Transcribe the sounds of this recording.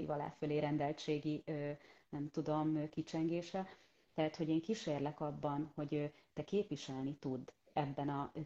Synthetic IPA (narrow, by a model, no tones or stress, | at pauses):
ḭvɒla̰ːføleːɾɛnd̪ɛlt͡ʃeːɡiønɛmt̪ud̪o̞mkit͡ʃɛŋɡeːʃɛ | t̪ɛɦat̪ho̞ɟeːŋkiʃeːrlɛkɒbːɒnho̞ɟøt̪ɛkeːpʋiʃɛlnit̪ud̪ː | ɛbːɛnɒ